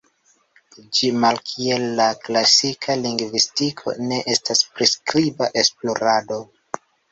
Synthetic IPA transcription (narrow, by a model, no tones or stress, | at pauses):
d͡ʒimalkʰie̞lːaklasikʰaliŋɡvistikʰo̞̰ne̞ʔe̞staspɾiskɾibaʔe̞splo̞ɾado̞